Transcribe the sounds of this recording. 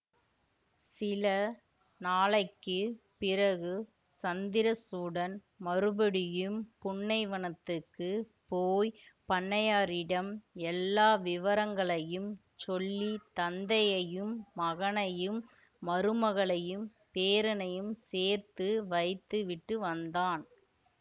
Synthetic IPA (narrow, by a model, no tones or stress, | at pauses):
sɪlɐ | naːɭɐɪkːɯpɪɾɐɣɯ | sɐnd̪ɪɾɐsuːɽɐn | mɐɾɯbɐɽɪjɯmpʊɳːɐɪʋɐɳɐt̪ːɯkːɯ | poːjpɐɳːɐjaːɾɪɽɐmɛlːaːʋɪʋɐɾɐŋɡɐɭɐjɯm | t͡ʃɔlːit̪ɐnd̪ɐjɐjɯmːɐɣɐnɐjɯmː | ɐɾɯmɐɣɐɭɐjɯm | peːɾɐnɐjɯmseːɾt̪ɯʋɐɪt̪ːɯʋɪʈrɯʋɐnd̪aːn